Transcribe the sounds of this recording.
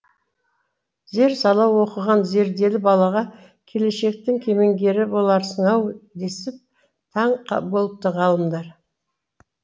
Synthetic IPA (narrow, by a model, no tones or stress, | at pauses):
ze̞ɾsɑlˠɑwo̞qəʁɑnze̞ɾd̪e̞lɪbɑlˠɑʁɑ | kʲʰe̞le̞ʃe̞k̚t̪ɪŋkʲʰe̞me̞ŋɡʲe̞ɾɪbo̞lˠɑɾsəɴɑwd̪e̞sɪp̚ | t̪ʰɑɴqɑbo̞lˠəp̚t̪əʁɑlˠəmd̪ɑɾ